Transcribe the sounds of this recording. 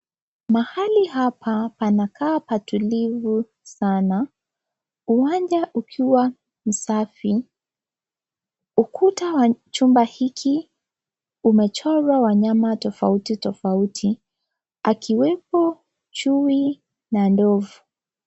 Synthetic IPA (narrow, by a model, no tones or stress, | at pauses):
mahaliɦapʰapanakʰaːpatulivu | sana | uwaɲd͡ʒaʔukʰiwa | m̩safi | ukʰutawat͡ʃumbahikʰi | umɛt͡ʃɔɾwawaɲamatɔfautitɔfautʰi | akʰiwɛpɔ | t͡ʃuwi | nandɔvu